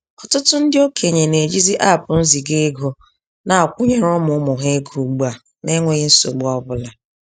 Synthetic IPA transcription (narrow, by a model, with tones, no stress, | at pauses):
ɔ˨tʊ˦tʊ˦n̩˦dɪ˦o˦kʰe˨ɲe˨ne˨d͡ʒi˦zi˦ʔa˦˨pʊ˨n̩˦zi˨ɡe˦ɡo˨ | na˨a˨kʷʊ˦ɲe˨ɾʊ˦mʊ˨˦mʊ˨ɦe˦ɡu˨ɡ͡ba˨ | ne˦ŋʷe˨ɣɪ˦n̩˦so̰˨ɡ͡bʊ˦ɔ˦bʊ˦la˨